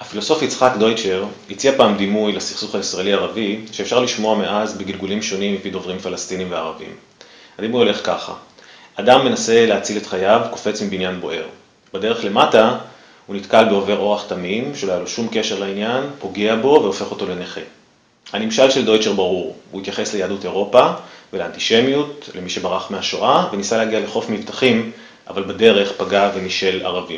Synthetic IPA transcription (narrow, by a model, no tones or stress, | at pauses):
hafilo̞so̞fit͡sχakd̪o̞jt͡ʃe̞ʁ | it͡siapaːmd̪imujlasi̥χsuχaisʁaeliaʁaviʃeːfʃaʁliʃmo̞ame̞ʔazbeɡilɡulimʃo̞nimːipidovʁimfalast̪inimveaʁavḭm | adimuo̞le̞χkaχa̰ | adamːe̞nase̞leat͡sile̞tχajavko̞̥fe̞t͡smibinjanbo̞ʔe̞ʁ | b̥ede̞ʁe̞χle̞mata | hunitkalbeo̞ve̞ʁo̞ʁaχtamimʃelojaloʃumke̞ʃe̞ʁlainjanpo̞ɡeabo̞ve̞o̞fe̞χo̞to̞leneχe | hanimʃalʃe̞ldo̞jt͡ʃe̞ʁbaʁuʁhuit̪jaχe̞slejaːdute̞ʁo̞paveleant̪iʃe̞mijutle̞miʃe̞baʁaχmeaʃoʔavenisalehaɡiale̞χo̞fmivtaχim | ʔa̰valbade̞ʁe̞χpaɡave̞niʃe̞la̰ʁavim